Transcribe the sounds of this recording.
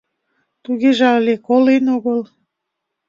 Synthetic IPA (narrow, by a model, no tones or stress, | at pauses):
t̪uɣeʒɑlekolenoɣol